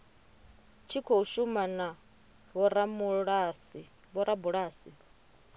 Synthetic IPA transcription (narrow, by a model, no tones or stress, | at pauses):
t͡ʃʰikʰouʃumana | βɔɾamuɺasi | βɔɾabuɺaːsi